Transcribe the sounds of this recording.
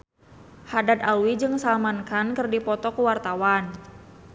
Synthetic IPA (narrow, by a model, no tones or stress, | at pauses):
hadad̪awid͡ʒɨŋsalmankankərdipɔt̪ɔkəwart̪awan